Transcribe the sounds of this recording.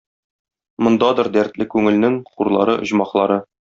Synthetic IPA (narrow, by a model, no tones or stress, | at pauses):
mŏnd̪ɑd̪ɤɾd̪æɾt̪lɘkʉŋɘ̆lnɘŋχuɾlˠɑ̰ɾɤʔŏʑmɑqlˠɑɾɤ